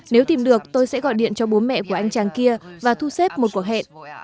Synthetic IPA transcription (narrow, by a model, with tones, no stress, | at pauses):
ne˨˦wt̪i˨˩mɗɨ˨˩ək̚t̪o˧jsɛ̰˧˥ɣɔ̰˧˨jɗḭ˧˨ənt͡ɕɔ˧ɓo˨˦nmɛ̰˧˨ku˧˩əʔa˧jŋ̟t͡ɕaː˨˩ŋki˧əvaː˨˩t̪ʰu˧sɛ˦˥p̚mo˨˩t̚ku˨˩ək̚hɛ̰˧˨n